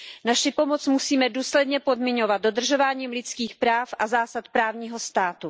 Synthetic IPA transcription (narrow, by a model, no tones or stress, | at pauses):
naʃɪpo̞mot͡smusiːmɛduːslɛdɲɛpo̞dmɪɲo̞vad̪̚do̞dr̩ʒo̞vaːɲiːmlɪt͡skiːxpɾaːfʔazaːsat̪pɾaːvɲiːɦo̞st̪aːt̪u